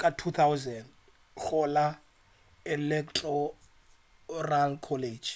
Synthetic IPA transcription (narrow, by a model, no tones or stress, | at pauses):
kʼatʰut̪ʰawzɛn | χɔla | ɛlɛktʰʼɔ | ralkʰɔled͡ʒ